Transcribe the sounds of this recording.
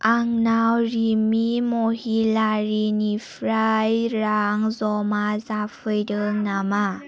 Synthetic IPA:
ʔaŋnawɾimimohilaɾinifɾajɾaŋzɔmazafəjdəŋnama

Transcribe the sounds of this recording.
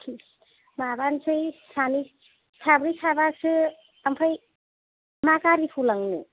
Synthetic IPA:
kʰi | mabansʰɯjsami | sabɾisabasɯ | ampʰaj | makaɾipʰulaŋnɯ̰

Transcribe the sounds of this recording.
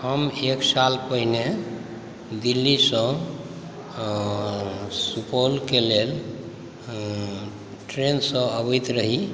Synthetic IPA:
həmeksalpəɦine | d̪ilːisə̃ | supolkelel | ʈɾensə̃əbəjt̪ɾəɦi

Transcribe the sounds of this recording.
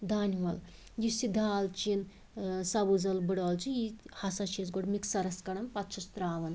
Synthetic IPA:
d̪aːnʲʋɐl | jisid̪ʱaːlt͡ʃin | sɐbuzɐlbɨɽoːlt͡ʃijihɐsɐt͡ʃʰizɡoɽmiksɐɾɐskɐɽɐmpɐt̪t͡ʃʰɐst̪ɾaːʋɐn

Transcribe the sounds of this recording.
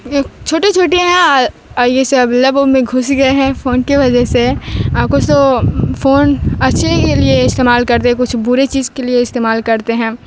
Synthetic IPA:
t͡ʃʰoːʈet͡ʃʰoːʈeɦɛ̃ | jeseɐblɐbomẽɡʱʊsɡɐeɦɛ̃foːnkiʋɐd͡ʒəɦseaːpkosofoːnɐtːʃʰekelieɪst̪eːmaːlkɐɾt̪eɦɛ̃kʊt͡ʃʰbʊɾet͡ʃiːzkelieɪst̪eːmaːlkɐɾt̪eɦɛ̃ː

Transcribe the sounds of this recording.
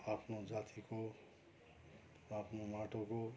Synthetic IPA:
apʰnod͡zat̪ʰiko | apʰnomaʈoko

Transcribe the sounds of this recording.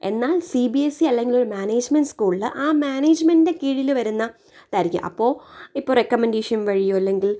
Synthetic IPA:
e̞nːaːlsibiesiɐlːe̞ŋɡilo̞ɾumaːneːd͡ʑmenɖskuːɭiɨʔaːmaːneːd͡ʑmende̞kiːɻilʋɐɾunːɐ | t̪ɐɾikʲːṵʔɐ̰pːo̞ːipːoːrekːɐmendeːʂɐnʋɐɻijoːɐlːeŋɡil

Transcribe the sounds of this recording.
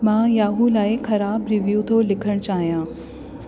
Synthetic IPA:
mãːjaːɦulaːɪxɐɾaːbɾɪʋjuːt̪ʰoːlɪkʰəɽ̃t͡ɕaːɦijãː

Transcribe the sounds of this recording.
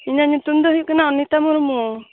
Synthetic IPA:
iɲaɲut̪umd̪ɔɦikɛnaɔnit̪amɔɾumu

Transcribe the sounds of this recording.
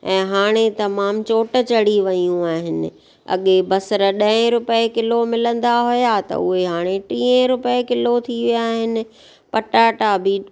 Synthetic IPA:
ɛ̃ːɦaːɽ̃et̪ɐmaːmt͡ɕoːʈə̆t͡ɕɐɽiʋɐjũaːɦɪnɪ̆ | ɐ̰ɠebɐsɾə̆ɗɐ̃ɪ̃ɾʊpekɪlomɪlə̃nd̪aɦʊjat̪ɐ̰ʊɦeɦaːɽ̃eʈiːə̃ɾʊpekɪlot̪ʰiʋijaːɦɪnɪ̆ | pɐʈaːʈabʱi

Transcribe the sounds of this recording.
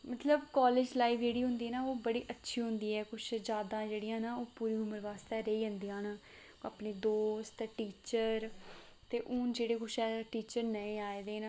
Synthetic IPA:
mət̪ləbkaːleːd͡ʒlaːiːʋd͡ʒeːɽiːɦʊ̃nd̪iːɛːnaːoːbəɽiːʔətːʃʰiːɦʊ̃nd̪iːɛːkʊt͡ʃʰd͡ʒjaːd̪ãːd͡ʒeːɽɪjãːnaːoːpuːɾiːʊməɾʋaːst̪eːɾeiːɦənd̪ijãːnaː | əpneːd̪oːst̪ːʈiːt͡ʃəɾ | t̪eːʔʊːnd͡ʒeːɽeːkʊt͡ʃʰɛːʈiːt͡ʃəɾnəĩːaːeːd̪eːna

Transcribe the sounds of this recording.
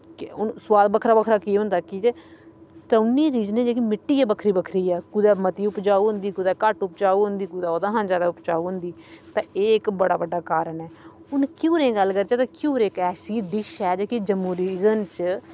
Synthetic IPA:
kɪʊnswaːd̪bəkʰɾaːbəkʰɾaːkiːɦʊ̃nd̪aːkid͡ʒeːt̪aʊnːiːɾiːzəneːd͡ʒeːkimɪʈːiːɛːbəkʰɾiːbəkʰɾiːɛːkʊd̪ɛːmət̪iːʊpd͡ʒaːuɦʊ̃nd̪iːkʊd̪ɛːkəʈʊp̚d͡ʒaːuːɦʊ̃nd̪iːkʊd̪aːoːd̪ãːɦãːnd͡ʒaːd̪aːʊpd͡ʒaːuːɦʊ̃nd̪iːt̪ãːeːɪkbəɽaːbəɖːaːkaːɾəɳɛː | ʊnkjuːɾẽːɡəlːkəɾt͡ʃeːt̪ãːkjuːɾeːkɛːsiːd̪ɪʃɛːd͡ʒeːkid͡ʒəmːuːɾiːzənt͡ʃ

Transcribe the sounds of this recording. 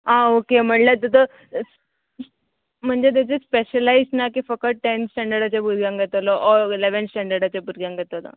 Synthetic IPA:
aokem̤əɳlat̪ət̪ə | s | m̤əɳd͡zet̪̬jat͡ɕespeɕəlaiznakifəkəʈensʈɛɳɖəɾɖat͡ɕjabʱuɾɡjãŋɡʱət̪alɔʔɔileʋənsʈɛɳɖəɾɽat͡ɕabʱuɾɡjãŋɡʱət̪ala̰

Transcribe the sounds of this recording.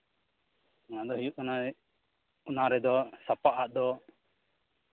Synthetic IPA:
naʔd̪ɔɦijuʔ̚ɔnaɛ | unaɾɛd̪ɔsapaʔaʔd̪ɔ

